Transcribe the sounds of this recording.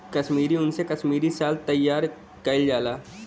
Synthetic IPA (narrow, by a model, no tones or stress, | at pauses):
kɐʃmiːɾiʊnsekɐʃmiːɾisaːlt̪ɐjːaːɾ | kɐɪld͡ʒaːlaː